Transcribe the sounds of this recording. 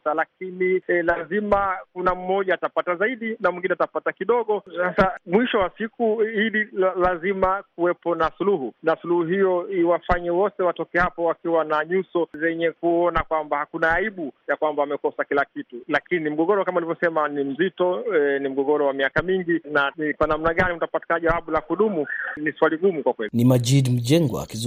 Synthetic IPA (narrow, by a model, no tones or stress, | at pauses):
salak̚inilazimakunam̩mɔʄaːtapatazaiɗinamwiŋɡinɛatapatakiɗɔɠɔsasamwiʃɔwasikuiɗilazimakuwɛpɔnasuluɦunasuluhuɦijɔiwafaɲɛwɔtɛwatɔkɛhapɔwakiwanaɲusɔzɛɲɛkuɔnakwambahakunaːiɓujakwambaamɛkɔsakilakitulakinim̩ɠɔɠɔɾɔkamaulivɔsɛmanim̩zitɔnim̩ɠɔɠɔɾɔwamiakamiŋɡinaikwanam̩naɠanim̩utapati̥kanaʄawaɓulakuɗumuniswaliɡumukwakwɛlinimaʄidm̩ʄɛŋɡwa̰ːki